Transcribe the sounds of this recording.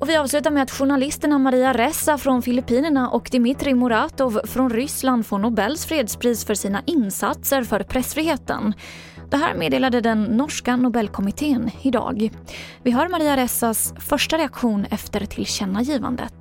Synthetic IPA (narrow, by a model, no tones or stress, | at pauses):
ʔɔvɪɑːvslʉ̟ːt̪aɾmɛat̪ɧʊɳalɪst̪əɳamaɾiːaɾɛsafɾɔnfɪlɪpiːnəɳaʔɔkd̪ɪmɪt̪ɾɪmʊɾaːt̪ɔvfɾɔnɾʏsland̪foːnʊbɛlːsfɾeːd̪spʰɾiːsfœʂiːnaʔɪnsat̪səɾfœɾpʰɾɛsfɾiːɦeːt̪ə̰n | d̪̥ɛɦæ̰ːɾmeːd̪eːlad̪əd̪ɛnːɔʂkanʊbɛlːkʰɔmɪt̪ʰeːnɪd̪ɑ̰ːɡvɪɦaːɾmaɾiːaɾɛsasfœʂʈaɾɛakɧuːnɛft̪əɾt̪ʰɪlɕɛnːajiːva̰nd̪ə̰t̪